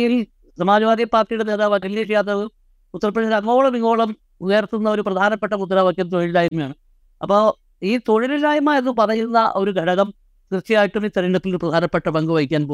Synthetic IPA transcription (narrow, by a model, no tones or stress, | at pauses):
jil | sɐmaːd͡ʑɐʋaːd̪ijpːaːrʈijuɽeneðaːʋɐʈːileʂijaːt̪ːrɐðɨ | ut̪ːɐrɐpːɐʂɐɾɐŋːo̞ːɭɐmiŋːo̞ːɭɐm | uɣeɐrt̪ːunːɐo̞ɾuprɐd̪ʱaːnɐpːe̞ʈːɐmut̪̬ːɐɾaːʋɐkʲːjɐmt̪oɻillaːjɐmɐjaːɳɨ | ɐpːoː | iːt̪oɻilɐlaːjɐmaːjɐðupɐðɐjinːɐʔoɾuɡʱɐɽɐɣɐm | trt͡ɕːɐjaːjiʈːumiːt̪ɐɾiɳɖɐt̪ːiliprɐd̪ʱaːnɐpːeʈːɐbɐŋɡɐʋɐjikʲːaːnpo